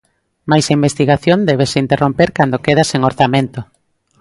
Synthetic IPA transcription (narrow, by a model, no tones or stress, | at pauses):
majsaimbest̪iɣaθjõnd̪ɛβ̞eseint̪erompeɾkand̪okeð̞aseŋoɾθamẽnt̪o